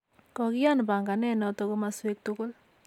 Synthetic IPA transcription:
kɔ˨kɪ˦ja˦nba˨ŋɡa˨nɛ˦nɔ˦tɔ˨ɡo˦maswe˦k̚tu˦kʊ˦l

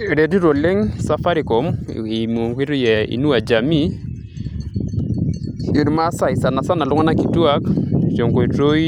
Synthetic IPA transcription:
ɾe˨ti˦ɾo˨le˦ŋsa˦fa˦ɾi˨kɔ˨˦mi˨m˨o˨ŋkʷi˦ɾjɛ˨ḭ˨nu˦a˨d͡ʒa˨mi˦ | i˨ɾma˦sa˦i˨sa˨na˨sa˦na˨lʊ˦ŋa˦na˦ki˨twa˦kt͡ʃo˨ŋko˨i˨to˦

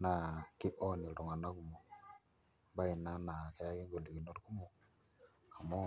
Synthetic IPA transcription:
na˨ki˦ʔo˦ni˨ɾo˨ŋa˨na˦ku˨mo˨ | ba˦i˨na˦na˨kɛ˦ki˦ŋɡo˨li˨ki˨no˦ɾi˦ku˦mo˨ | ka˨mo˦

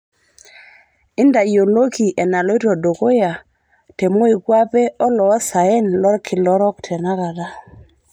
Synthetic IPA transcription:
ɪ˦nda˨jo˨lo˦ki˨ʔɛ˨na˨lɔ˦i˦ɾɔ˨do˨ko˦ja˨ | te˨mo˦i˨kwa˦pɛ˦ɔ˦lɔ˨ɔ˦sa˨e˦nlɔ˦ɾkʰɪ˨lɔ˦ɾɔ˦ktʰɛ˨na˦ka˨da˦

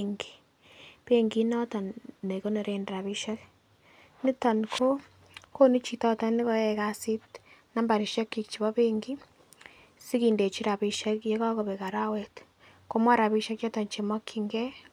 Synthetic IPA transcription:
ŋɡi̥ | pe˦ŋɡi˦nɔ˦ta˨nne˨ko˦ne˨ɾe˨nde˨ɾa˨βi˦ʃa˦k | ni˦ta˨nkʰo˦ | ko˦ni˦t͡ʃi˦tɔ˦ta˦ni˦ko˦jɛ˨ka˦si˦tna˦mba˨ɾi˨ʃa˦kːikt͡ʃi˨βɔ˦βe˦ŋɡi˦ | si˦ki˨nde˨t͡ʃi˦ɾa˨βi˨ʃa˦kje˦ka˦ko˨βe˨ka˨ɾa˦we˦t | ko˦mwa˦ɾa˨βi˦ʃa˦kjɔ˦tɔ˨nt͡ʃe˨mɔ˦kʰiŋɡe˦

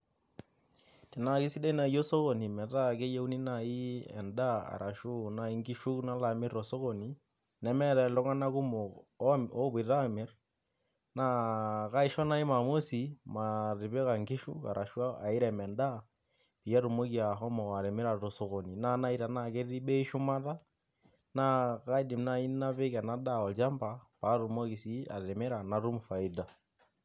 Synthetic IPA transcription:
ti˨na˨ki˦si˦de˦na˨jo˦so˦ɣo˨ni˨mɛ˨ta˦˨ke˦je˦u˦ni˦na˨i˦ɛ̰˨nda˦a̰˨ɾa˨ʃu˦na˦i˦ŋɡi˦ʃu˦kna˦la˨mɪ˦ɾo˨so˦ko˨ni˨ | nɛ˦mɛ˦ɾɛ˨lɔ˦ŋa˦na˦ku˦mo˨˦o˦bi˨ɾa˦mɪ˦ɾ | na˦ka˦i˦ʃɔ˦na˦i˦ma˨mo˦si˨ma˨ɾi˨βe˦ɣa˨ŋki˦ʃṵ˦ka̰˨ɾʔa˨ʃwa˦a˨i˦ɾɛ˨mɛ˨nda˦ | pi˨ja˦ɾu˨mo˦ki˨a˨ɦɔ˦mɔ˨a˨ɾe˨me˦ɾa˨ɾo˨su˨ɣo˨ni˨na˦na˦i˦ɾa˨na˦˨ke˦ɾi˦ɓɛ˦ʃu˦ma˦ta˦ | na˦ka˦i˦di˨mna˦i˦na˦βe˦ka˨na˦da˦˨ɔ˨ld͡ʒa˦mba˨pa˨˦ɾu˨mo˦ki˨si˦a̰˨ɾe˨mɛ˦ɾa˨na˨ɾu˦m˨fa˨i˦da˨

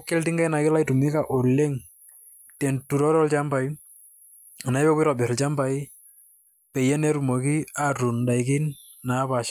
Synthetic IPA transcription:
kːɛ˦ltɪ˦ŋɡa˦jna˨kɪ˦la˦ɪ˦tu˨mɪ˦ka˨ʔo˨lːe˦ŋ | tɛ˨ntu˨ɾɔ˦ɾɔ˦lt͡ʃa˦mba˨j | a˨na˨ɪ˦bɛ˦pɪ˦ɾɔ˨bɛ˨ɾɔ˨lt͡ʃa˦mba˨i˦ | pɛ˨jɛ˦ne˦ɾu˨mɔ˨ki˦a˦ru˨nda˨ɪ˨kɪ˦n | na˨˦pa˨ʃ

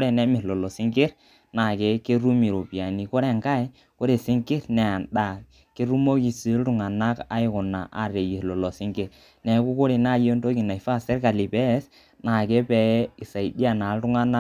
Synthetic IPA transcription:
ɾɛ˨nɛ˦mɪ˨lɔ˨lɔ˨si˦ŋɡɪ˦ɾ | na˨ke˦ke˦ɾu˦mi˨ɾo˨pi˨a˨ni˨kɔ˦ɾɛ˦˨ŋka˦ɛ˦ | ko˦ɾe˨sɪ˦ŋkɪ˦ɾnɛ˨a˨nɗa˨ | ke˦ɾu˦mo˦ki˨si˨˦lɾu˨ŋa˨na˦ka̰˦ɪ˦kʊ˨na̰˨ʔa̰˨ɾe˨ji˨ɾlɔ˨lɔ˨sɪ˦ŋɡɪ˦ɾ | nɛ˨˦ku˦ko˦ɾi˨na˦˨jo˦nto˦ki˨na˨i˨fa˦˨sɛ˦ɾka˨li˨bɛ˦s | na˨ke˦pɛ˨˦i˨sa˨i˨di˦a˨na˨˦ltu˦ŋa˦na˦

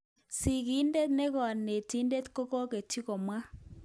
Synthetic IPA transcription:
si˨ki˨˦nde˦t̪ne˦ɣɔ˨ne˨ti˦nde˦t̪ko˦kɔ˦ke˨tʰi˦ko˨mwa˦

